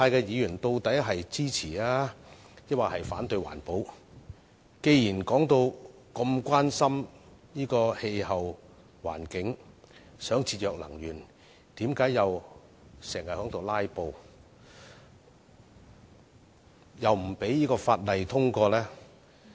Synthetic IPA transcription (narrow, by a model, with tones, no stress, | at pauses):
t̪ʰaː˧jkɛː˧jiː˨˧jyː˨˩nt̪o˧wt̪ɐ˨˥jɦɐ˨jt͡siː˥t͡sʰiː˨˩laː˥ | jɐ˥t̚waː˨˩hɐ˨jfaː˨˥nt̪ɵ˧ɥwa̰ː˨˩npo˨˥w | ke˧jjiː˨˩nkɔː˨˥ŋt̪o˧w | kɐ˧mkʷwaː˥nsɐ˥mjiː˥kɔː˧he˧jhɐ˨w | wa̰ː˨˩nkɪ˨˥ŋsœː˨˥ŋt͡sʰiː˧t̚jœː˨˧k̚lɐ̰˨˩ŋjyː˨˩n | t̪iː˨˥mkaː˨˥jɐ˨w | sɛː˨˩ŋhɐ˨t̚hœː˨˥ŋt̪ʰo˨wlaː˥jpo˨˧w | jɐ˨wm̩˨˩pe˨˥jjiː˥kɔː˧faː˧t̚lɐ˨jt̪ʰʊ˥ŋkɔː˧lɛː˥